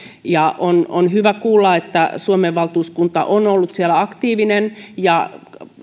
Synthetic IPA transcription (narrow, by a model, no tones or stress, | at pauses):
jɑʔono̰nhyʋækuːlːɑet̪ːæsuomeʋʋɑlt̪uːskunt̪ɑ̰ʔonolːut̪sielæɑkt̪iːʋinenjɑ